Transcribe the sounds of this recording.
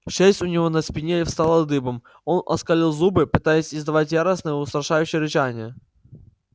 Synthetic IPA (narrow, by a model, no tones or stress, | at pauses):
ʂɛsʲtʲʊnʲɪvonɐspʲɪnʲeifst̪alˠɐd̪ɨbəm | o̞nɐ̰skɐlʲilˠzubɨpɨt̪ajɪsʲɪzd̪ɐvatʲjaɾəsnəjəʊst̪ɾɐʂajʉɕːɪjəɾʲɪt͡ɕanʲɪjə